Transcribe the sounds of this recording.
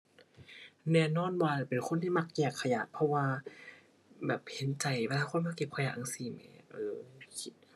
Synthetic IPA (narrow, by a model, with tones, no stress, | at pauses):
nɛː˧˩˨nɔː˧˥˨nwaː˧˨˩pe˨nkʰo˧˥˨nt̪ʰiː˥˩ma˧˩k̚jɛː˧˨˩kʰːa˧ja̰ː˨˩ʔ̚pʰɔ˧waː˧ | bɛː˨˩p̚he˨˦nt͡ɕa˨˩jwɛː˧laː˧kʰo˧˥˨nmaː˧˥˨ke˨˩p̚kʰa˧jaː˧˩ʔa˧ŋsiː˧˩ma˨˧˦ʔɤː˧˩˧kʰi˧˩t̪̚